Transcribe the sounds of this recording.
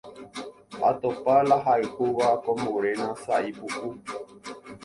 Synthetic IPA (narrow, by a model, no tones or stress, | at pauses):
a̰t̪opalaɦaehuʋakõmbuɾenãsaipuʔu